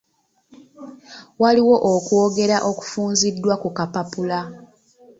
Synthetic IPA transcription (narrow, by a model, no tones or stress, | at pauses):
waliwo̞ʔokwo̞ːɡe̞ɾaʔo̞ku̥fuːnzidːwakukapapula